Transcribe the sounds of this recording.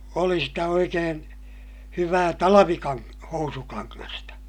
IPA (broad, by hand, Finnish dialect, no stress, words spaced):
oli sitæ oikeːn hyʋæː tɑlɑʋikɑŋ housukɑŋːɑstɑ